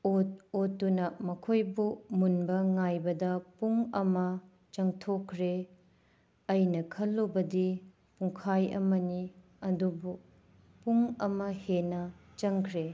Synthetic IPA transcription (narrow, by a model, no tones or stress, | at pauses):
ot̚otːunɐmɐkʰojbumunbɐŋajbɐdɐpuŋɐmɐ | t͡ʃɐŋtʰokʰːɾe | ɐjnɐkʰɐlːobɐdi | puŋkʰajɐ̰mɐni | ɐdubu | puŋɐmɐhenɐt͡ʃɐŋkʰɾe